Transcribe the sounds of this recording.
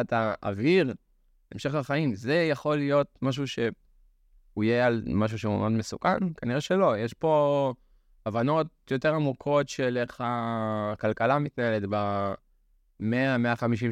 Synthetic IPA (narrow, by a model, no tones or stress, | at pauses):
ataa̰viʁ | emʃe̞χlaχaimze̞jaχo̞lijo̞t̚maʃ̬uʃe̞ | uijealmaʃ̬uʃeṵʔodme̞sukankaniʁeʃelo̞jeʃpo̞ | avano̞t̚ | jo̞te̞ʁamukʰo̞tʃeleχakalkalamitnaeletba | meameaχamiʃ̬i